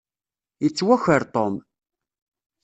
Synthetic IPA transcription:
jət͡sːwæçəɾt̪ˤom

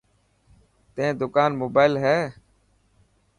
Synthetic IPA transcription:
t̪ẽːd̪ʊkaːnmoːbaːɪlɦɛː

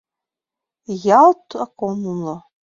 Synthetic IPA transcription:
jaltʰakʷʼomulo

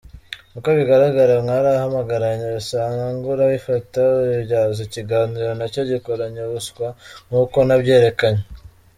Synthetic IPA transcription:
ukoβiɡaɾaɡaɾaŋaɾahamaɡaɾaɲesaːŋɡaŋɡuɾaifataɟaːzociɡaːniɾonaco̞ɟikoɾaɲeβuskwaŋuːko̞nabɟe̞ːɾe̞kaɲe

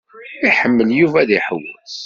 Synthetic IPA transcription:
iħəmːəljuvæðiħəwəθ

